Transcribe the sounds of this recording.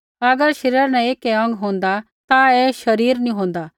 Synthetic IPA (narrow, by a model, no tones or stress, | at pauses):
ɐɡəɾʃɐɾjəɾnɛ̃eːkɛɐ̃ŋɡɦõːnd̪a | t̪aɛːʃɐɾiːɾnĩɦõːnd̪aː